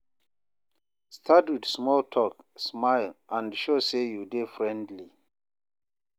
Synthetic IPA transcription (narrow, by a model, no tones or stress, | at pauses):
stʰatwidsmɔltʰɔk | smaɪlʔãndʃosejudefɹɛ̃ndli